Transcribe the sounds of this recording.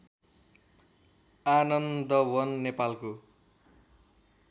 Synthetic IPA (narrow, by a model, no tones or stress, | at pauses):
anʌnd̪ʌwʌnːepalko